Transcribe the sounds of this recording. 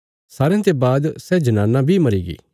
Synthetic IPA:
saːɾejãt̪ebaːd̪sɛd͡ʒɐnãːnːãbʱimɐɾiːɡḭː

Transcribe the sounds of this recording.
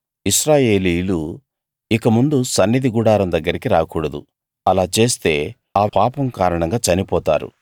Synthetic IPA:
iʃɾaːje̞ːliːjlu | ikɐmund̪usɐnːid̪iɡuɽaːɾɐmd̪ɐɡːɐɾikiɾaːkuːɽɐd̪ṵ | ɐlaːt͡ʃe̞ːst̪e̞ː | aːpaːpɐmkaːɾɐɳɐŋɡaːt͡ʃɐnipɔːt̪a̰ːɾṵ

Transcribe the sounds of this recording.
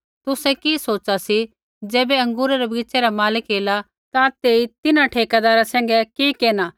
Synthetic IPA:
t̪ʊsɛkisoːt͡ʃasi | d͡ʒɛːbɛɐ̃ŋɡuːɾaɾɛbiːt͡ʃeɾamaːlɪkɦeːla | t̪at̪eːit̪ɪnaʈʰeːkad̪aːɾasɛ̃ːŋɡɛkikeːnaː

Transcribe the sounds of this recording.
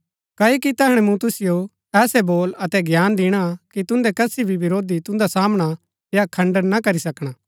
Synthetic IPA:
kɐːokit̪ɐɦɐɽ̃ɛ̃mũt̪ʊsɪjo | ɛːsɛboːlɐt̪ɛɡjaːnd̪ɪɽ̃akit̪ʊ̃nd̪ɛkɐsibʱibɪɾoːd̪it̪ʊ̃nd̪asaːmɽ̃a | jakʰɐ̃ɳɖəɾnakɐɾisɐkɽ̃aː

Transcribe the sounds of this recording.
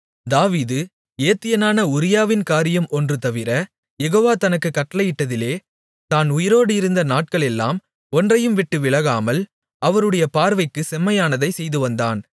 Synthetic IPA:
d̪aːʋiːðɯ | eːt̪ːɪjɐnaːnɐʊɾɪjaːʋɪnkaːɾɪjɐmɔndrɯt̪ɐʋɪɾɐ | jɛɣoːʋaːt̪ɐnɐkːɯkːɐʈːɐlɐjɪʈːɐðɪleː | t̪aːnʊjɪɾoːɽɯɪɾɯnd̪ɐnaːʈ̚kɐɭɛlːa̰ːm | ɔndrɐjɯmʋɪʈːɯʋɪɭɐɣaːmɐl | ɐʋɐɾɯɽɐjɐpaːɾʋɐɪkːɯsɛmːɐjaːnɐðɐɪsɛjðɯʋɐnd̪aːn

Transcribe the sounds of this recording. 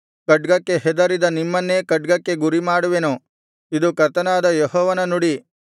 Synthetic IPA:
kɐɖɡɐkːe̞ɦɛd̪ɐɾid̪ɐnimːɐnːeːkɐɖ̚ɡɐkːe̞ɡuɾimaːɽuʋenu | id̪ukɐɾt̪ʰɐnaːd̪ɐjɔɦɔːʋɐnɐnuɽi

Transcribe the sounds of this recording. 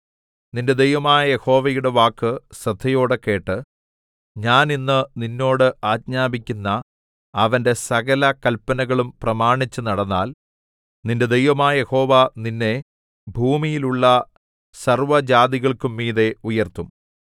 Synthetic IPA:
ninde̞d̪e̞jʋɐmaːjɐje̞ho̞ːʋɐjuɽe̞ʋaːkːɨsɐt̪ʰːɐjo̞ːɽekːe̞ːʈːɨ | ɲaːninːɨninːo̞ːɽɨaːd̚ɲaːbikʲːunːɐ | ɐʋɐnde̞sɐɣɐlɐkɐlpɐnɐɣɐɭumprɐmaːɳit͡ɕːunɐɽɐnːaːl | ninde̞d̪ejʋɐmaːjɐje̞ho̞ːʋaninːe̞ | bʱuːmijiluɭːɐ | sɐrʋɐd͡ʑaːd̪iɣɐɭkumːiːðe̞ujɐrt̪um

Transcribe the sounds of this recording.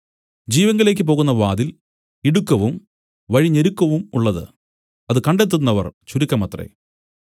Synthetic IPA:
d͡ʑiːʋɐŋːɐle̞ːk̬ʲːɨp̬o̞ːɣunːɐʋaːðil | iɽukːɐʋum | ʋɐɻiɲːeɾukːɐʋumuɭːɐðɨ̰ | ɐðɨkɐɳɖet̪ːunːɐʋɐrt͡ɕuɾikʲːɐmɐt̪rḛ

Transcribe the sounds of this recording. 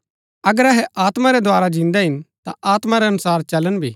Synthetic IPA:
ɐɡəɾɐɦɛaːt̪maɾɛd̪ʱwaːɾad͡ʒɪ̃nd̪ɛɦɪnt̪aʔaːt̪maɾɛɐnʊsaːɾt͡ʃɐlənbʱḭː

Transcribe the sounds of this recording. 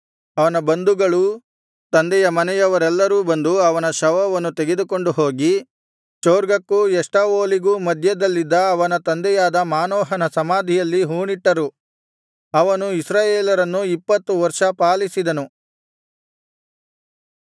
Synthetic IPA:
ɐʋɐnɐbɐnd̪uɡɐɭu | t̪ɐnd̪ɛjɐmɐnɛjɐʋɐɾɛlːɐɾuːbɐnd̪uɐʋɐnɐʃɐʋɐʋɐnːut̪eɡed̪uko̞ɳɖuɦo̞ːɡi | t͡ʃoːɾɡɐkːujɛʂʈɐʋoːliɡuːmɐd̪ʱjɐd̪ɐlːid̪ːɐːʋɐnɐt̪ɐnd̪ɛjaːd̪ɐmaːnɔːɦɐnɐsɐmaːd̪ʱijɐlːiɦuːɳiʈːɐɾu | ɐʋɐnuisɾaːjeːlɐɾɐnːuipːɐt̪ːuʋɐɾʂɐpaːlisid̪ɐnu

